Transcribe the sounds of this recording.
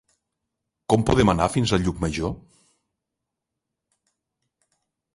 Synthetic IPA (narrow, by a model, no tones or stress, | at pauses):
kɔmpuðɛmənafinzəʎukməʒo